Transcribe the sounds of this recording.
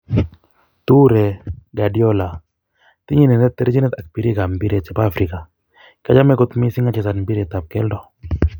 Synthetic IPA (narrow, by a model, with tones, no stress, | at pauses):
t̪u˦ɾɛ˨ɡa˨djɔ˦la˨ | t̪ɪ˦ɲi˦nɛ˨nɛ˦t̪ːɛ˦ɾd͡ʒi˦nɛ˦t̪a˨k̚pi˨ɾi˦ɡa˨mbi˦ɾe˦˨t͡ʃɛ˨pa˦˨fɾi˨ka˨ | ka˦d͡ʒa˦mɛ˦ɡo˦t̪mi˦si˦ŋa˦t͡ʃɛ˨sa˨nmbi˦ɾe˨t̪a˨p̚kɛ˦ldɔ˦